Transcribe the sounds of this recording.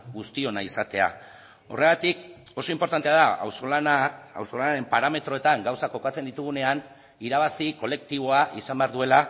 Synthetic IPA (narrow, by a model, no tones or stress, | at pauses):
ɣust̪io̞naisat̪e̞a̰ | o̞̰re̞ɣat̪iko̞so̞impo̞ɾt̪ant̪e̞aðaa̰wsoa̰wso̞lanaɾe̞mpaɾame̞t̪ɾo̞e̞t̪aŋɡawsako̞kat͡se̞nd̪it̪uɣ̞une̞an | iɾaβ̞asiko̞le̞k̚t̪iβo̞aʔisambeaɾðue̞la